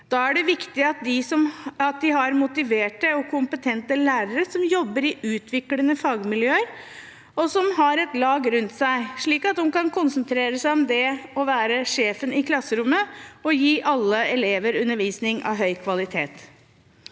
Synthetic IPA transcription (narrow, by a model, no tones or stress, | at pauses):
d̪̥ɑæɖɛʋɪkt̪ɪɑt̪̚d̪ɪsɔmɑt̪̚d̪ɪɦɑɾmʊt̪ɪʋeːʈəɔkʰʊmpət̪ʰɛnt̪əlæːɾəɾəsɔmjɔbːəɾɪʔʉːt̪ʰʋɪklənəfɑːɡmɪljøːəɾ | ɔsɔmɦɑɾɛt̪lɑːɡɾʉnt̪sæɪʂɭiːkɑt̪hʊnkɑnkʰʊnsənt̪ʰɾeːɾəsæɪɔmd̪ɛɔʋæːɾəʂeːfənɪkʰlɑsːəɾʊmːəɔjiːʔɑlːəɛleːʋəɾʉnːəɾʋiːsnɪŋʔɑ̰ʋɦœʏkʰʋɑlɪt̪ʰḛːt̪